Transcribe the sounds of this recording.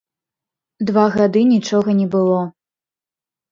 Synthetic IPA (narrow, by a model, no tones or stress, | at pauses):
d̪vaɣad̪ɨnʲit͡ʂɔɣɐnʲɛbɨlˠɔ